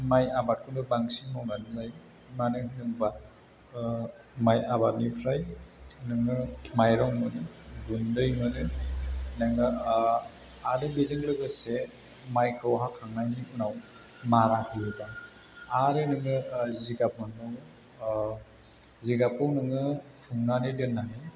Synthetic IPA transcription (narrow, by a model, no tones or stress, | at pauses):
majabat̚kʰunɯbaŋsiŋnɔŋanɯzaj | manɯnɯŋba | majabat̚nipʰɾajnɯŋɯmajɾɔŋmɯnɯɡundɯjmɯnɯ | naŋɯ | aɾebizɯŋlɯɡɯse | majkʰɯwɦakʰaŋnajniunaw | maɾakʰɯjɯba | aɾenɯŋɯziɡap̚ɯnɯw | ziɡapɯwnɯŋɯ | hʰuŋnanɯdɯnːaɦɯj